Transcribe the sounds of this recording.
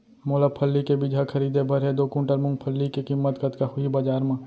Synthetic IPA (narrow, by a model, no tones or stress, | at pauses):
moːləb̚pʰəlːikebid͡ʒɦakʰɐɾiːd̪ebʱɐɾɦɛd̪oːkũɳʈəɾmʊ̃ŋɡpʰəlːikekimːət̪kət̪kahʊibɐd͡ʒaːɾmãː